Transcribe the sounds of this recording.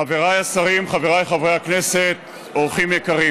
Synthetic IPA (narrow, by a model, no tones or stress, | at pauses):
aveʁajasaʁimχaveʁajχavʁejakneset̪ | oʁχimjekaʁi